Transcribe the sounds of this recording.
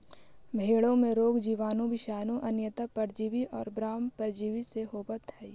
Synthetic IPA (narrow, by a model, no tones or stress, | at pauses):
bʱeːɽõmẽɾoːɡd͡ʒiːʋaːnõʋɪʃaːnõʔɐnjət̪apəɾd͡ʒiːʋiʔɔːɾbɾaːmpəɾd͡ʒiːʋiseɦoːbət̪hɛi